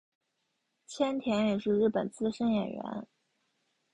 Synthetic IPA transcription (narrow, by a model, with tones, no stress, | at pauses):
t͡ɕʰjɛ˥nt̪ʰjɛ˧˥njɛ˨˩ʂɻ̩˥˧ɻɻ̩˥˩pə˨˩nt͡sɹ̩˥˧ʂə˥ŋjɛ̰˨˩nɥɛ̰˧˥n